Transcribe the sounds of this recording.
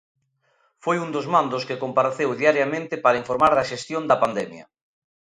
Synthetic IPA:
fojund̪ozmãnd̪oskɪkompaɾeθewðiaɾjamẽnt̪ɪpaɾɐaiɱfoɾmaɾðɐʃest̪jond̪ɐpand̪ɛmjɐ̰

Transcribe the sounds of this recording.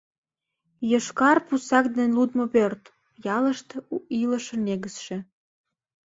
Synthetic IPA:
jəʃkɑrpusɑkd̪enlud̪moβørt̪ | jɑləʃt̪iləʃə̆neɣəsʃe

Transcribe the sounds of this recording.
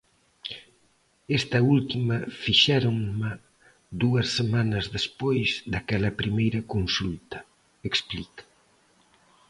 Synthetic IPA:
est̪ɐult̪imɐfiʃɛɾoŋma | d̪uɐsːemanɐzðespojzd̪ɐkɛlɐpɾimejɾɐkonsult̪ɐ̥ | eksplit̪ḁ

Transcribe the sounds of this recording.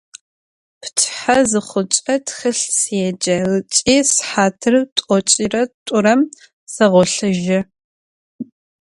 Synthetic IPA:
pʰtʰħazɨχʷʊt͡ʃʼɐtʰxɨɬsjɛd͡ʒɐlɨt͡ʃʼiːsħaːtʰɨrɨtʷʼɔt͡ʃʼirɐtʷʼʊɾɐm | sɐʁʷɔɬɨʒɐ

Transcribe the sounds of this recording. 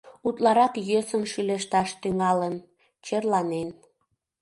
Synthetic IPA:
ut̪lɑɾɑkjøsənʃyleʃt̪ɑʃt̪yŋɑlən | t͡ɕerlɑnen

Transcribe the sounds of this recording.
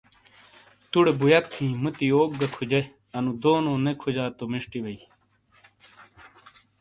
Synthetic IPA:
t̪uɽebujɐt̪ʰːĩːmut̪ioːk̚ɡɐkʰud͡ʑe | ɐnud̪oːnoːnekʰud͡ʑaːt̪omeʂʈiwɐi

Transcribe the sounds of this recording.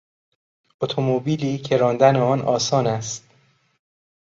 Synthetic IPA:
ot̪ʰomobiːliːcʰe̞ɾɒːnd̪æneɒːnɒːsɒːnæst̪

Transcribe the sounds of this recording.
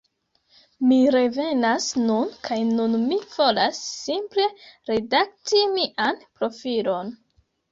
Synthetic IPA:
miɾe̞ve̞nasnunkʰajnunmiv̥o̞lasːimple̞ɾe̞dak̚timiʔanpɾo̞filo̞n

